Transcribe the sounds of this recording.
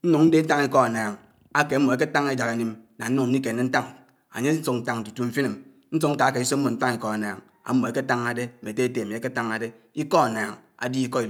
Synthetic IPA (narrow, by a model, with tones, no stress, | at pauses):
n̩˦nu˨ŋn̩˦de˦n̩˦ta˦ŋ˦i˦kɔ˦a˨naː˨ŋ | a˦ke˨˦mo˨e˦ke˦ta˦ŋe˦d͡ʒa˨ke˨ni˦mna˨n̩˦nu˨ŋ̩˦i˦ke˨ne˦n̩˦ta˦ŋ | a̰˨ɲe˦n̩˦su˦n̩˦ta˦˨ŋn̩˨tu˨tu˨ɱ̩˨fi˦ni˨m | n̩˦su˦k̚ŋ̩˦ka˨˦a˦ke˨i˦so˦m̩˦mo˨n̩˦ta˦ŋi˨kɔ˨a˨na̰ː˨ŋ | a̰˨m̩˦mo˨e˦ke˦ta˦ŋa˨de˦˨me˨te˦e˦te˦˨mi˨e˨˦ke˦ta˦ŋa˨de˦ | i˦kɔ˦a˨naː˨ŋa̰˨di˦i˦kɔ˦i˨